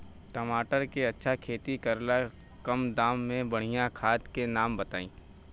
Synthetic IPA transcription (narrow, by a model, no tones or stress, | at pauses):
ʈəmaːʈəɾkeɐtːʃʰakʰeːt̪ikɐɾla | kɐmd̪aːmːẽbɐɽ̤ijãkʰaːt̪kenaːmbɐt̪aːḭ̃ː